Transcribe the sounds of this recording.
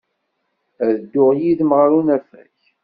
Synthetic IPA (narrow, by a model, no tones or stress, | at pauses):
æðəd̪ːʊʁjiðməʁɾunæfæ̰ç